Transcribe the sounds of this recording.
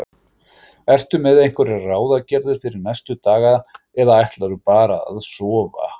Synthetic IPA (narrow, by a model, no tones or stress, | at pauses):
ɛr̥t̪ʏmɛðejŋ̥kvɛɾɛraːwðacɛɾðɪɾ̥fɪɾɪɾnɛjst̪ʏt̪aːɣað | ɛðaajht̪laɾʏpaːɾaða̰ðsɔːva̰